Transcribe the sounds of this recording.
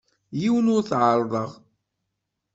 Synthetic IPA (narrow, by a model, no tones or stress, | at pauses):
jiwnʊɾθʕəɾˤðˤəʁ